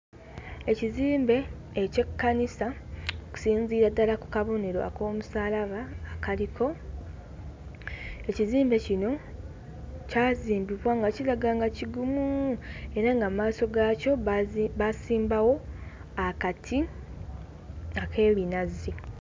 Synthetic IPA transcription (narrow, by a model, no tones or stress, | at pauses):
e̞ciziːmbe̞ː | ce̞kːanisaoku̥siːɲziːɾadːalaku̥kaβo̞ne̞ɾo̞̰a̰ko̞ːmusaːlaβaːkalikʰo̞ | e̞ciziːmbe̞cino̞ | caːziːmbiβwaŋɡacilaɡaːŋɡaciɡumue̞ɾaŋɡamaːso̞ɡaco̞basiːmbawo̞ | akatʰi | ake̞ːβinazːi